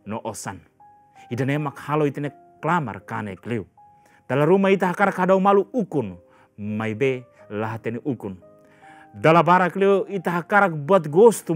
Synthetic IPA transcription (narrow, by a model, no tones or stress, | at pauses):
nɔʔɔsan | idanemakhaloit̪ene | klama̰rkanekliu | d̥alaɾumait̪aɦakaɾakɦadaumaluukun | majbe | laɦat̪eneʔukun | dalabaɾakliuit̪aɦakaɾak̚buat̪̬ɡost̪u